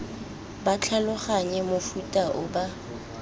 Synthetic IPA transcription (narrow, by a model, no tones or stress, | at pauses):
bat͡ɬʰalʊχaɲɛmʊfutʼaʔʊba